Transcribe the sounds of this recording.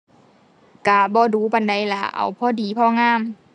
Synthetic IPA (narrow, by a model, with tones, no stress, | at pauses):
ka˨˧˩bɔː˧˦duː˨˦ba˨nda˨˦jlaː˧˦ʔa̰˨˦wpʰɔː˧˨diː˨˦pʰɔː˧˨ŋaː˧˥˨m